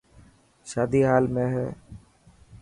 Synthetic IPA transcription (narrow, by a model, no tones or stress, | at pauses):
ʃaːd̪iːɦaːlmẽːɦɛ̰ː